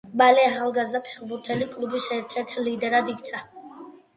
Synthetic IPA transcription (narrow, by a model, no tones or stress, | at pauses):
balɛaχalˠɡazd̪apʰɛ̥χbuɾt̪ʰɛlikʼlˠubisɛɾt̪ʰɛɾt̪ʰlid̪ɛɾad̪ikʰt̪sʰa